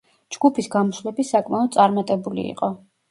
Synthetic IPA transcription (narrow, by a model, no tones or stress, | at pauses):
d͡ʒɡ̥upʰisɡamɔslɛbisakʼmaɔd̪̚t̪sʼaɾmat̪ʼɛbulḭḭqʼɔ